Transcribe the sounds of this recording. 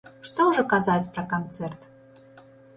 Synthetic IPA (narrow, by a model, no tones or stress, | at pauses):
ʂt̪ɔwʐɔkazat͡sʲpɾɐkant̪sɛrt̪